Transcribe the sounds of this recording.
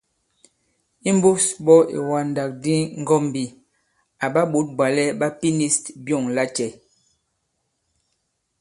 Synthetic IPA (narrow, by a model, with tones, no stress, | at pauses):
i˦m˦bo˦sbɔ˦ḭ˨wa˨nda˨k̚di˦ŋ˦ɡɔ˦m˨bi˨ | a˨ɓa˦ɓo˨˦t̚bwa˨lɛ˦ɓa˦pi˦ni˦stbjɔ˦˨ŋla˦t͡ʃɛ˨